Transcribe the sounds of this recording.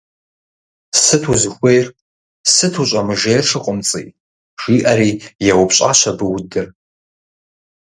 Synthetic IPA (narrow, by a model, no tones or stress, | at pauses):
sɨtʰuzɨxʷejr | sɨtʰuɕʷʼamɨʐejrʂʰɨqʼʊmt͡sʼḭ | ʂiʔaɾijawʊpʰɕʼa̰ʃʷʰabɨwdɨr